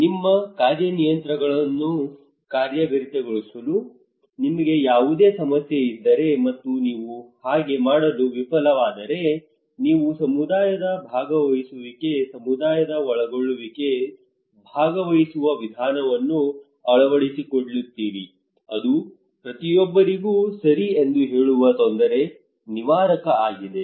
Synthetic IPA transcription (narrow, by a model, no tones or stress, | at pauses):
nimːɐkaːɾjɐnijɐnt̪ɾɐɡɐɭɐnːu | kaːɾjɐɡɐɾit̪eɡoɭisɐlu | nimɐɡe̞jaːʋud̪e̞ːsɐmɐsjeid̪ːɐɾe̞mɐt̪ːuniːʋuhaːɡe̞maːɽɐluʋipɐlɐʋaːd̪ɐɾe̞ | niːʋusɐmud̪aːjɐd̪ɐbʱaːɡɐʋɐjisuʋike̞sɐmud̪aːjɐd̪ɐɔɭɐɡoɭːuʋike̞ | bʱaːɡɐʋɐjisuʋɐʋid̪ʱaːnɐʋɐnːu | ɐɭɐʋɐɭisikoɽlit̪ːiːɾi | ɐd̪u | pɾɐt̪ijɔbːɐɾiɡuːsɐɾiend̪uɦe̞ːɭuʋɐt̪ond̪ɐɾe̞ | niʋaːɾɐkɐaːɡid̪e̞